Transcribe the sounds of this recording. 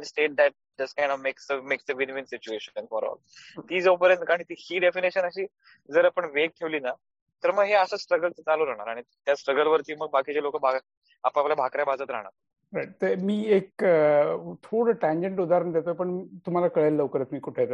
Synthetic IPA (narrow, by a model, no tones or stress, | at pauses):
nsʈeʈ̚d̪æʈ̚d͡ʒəskajɳɖɔʋmeksəmeksəʋinʋinsit͡ɕueɕəənfɔɾɔ̰l | t̪iːd͡zəpəɾenkãit̪iːhiːɖefiniɕənəɕiː | d͡zəɾapəɳʋek̚ʈ̪ʰeʋliːna | t̪əɾməɡɦeəsəːsʈɾəɡəltət͡saluɾaɦɽ̃aɾaɽ̃i | t̪jasʈɾəɡəlʋəɾt̪iːməɡ̚bakit͡ɕalokəbʱa | apaplabʱakɾjabad͡zət̪ɾa̰ɦɽ̃a̰ɾ | ɾajʈ̚t̪əmiːek | t̪ʰoɽəʈæ̃ɲd͡ʑẽɳʈud̪ʱaɾəɳd̪et̪opəɳt̪um̤alakəɭelːəʋkəɾək̪miːkuʈʰe